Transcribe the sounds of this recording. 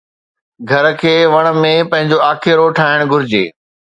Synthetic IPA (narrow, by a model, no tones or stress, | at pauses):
ɡʱɐɾkʰeːʋɐɽ̃̆mẽpɐ̃ɦɪ̃ɲd͡ʑoaːkʰɪɾoʈʰaːɪɽ̃ɡʊɾɪd͡ʑḛː